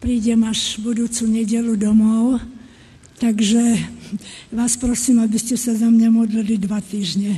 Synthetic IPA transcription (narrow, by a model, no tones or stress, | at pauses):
pɾiːɟɛmaʒbud̪uːt͡suɲɛɟɛlud̪ɔmɔʊ | t̪aɡʒɛ | ʋaːspɾɔsiːmabiscɛsazamɲamɔd̪lilid̪ʋat̪iːʒɲɛ